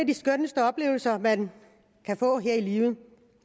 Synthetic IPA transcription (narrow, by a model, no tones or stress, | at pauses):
æd̥isɡ̥ønəsd̥əɒ̽b̥le̝̰ːʊl̩sɐmæn | kʰæfɔ̰̽ːɦeɐ̰iliːʊð̩ˠ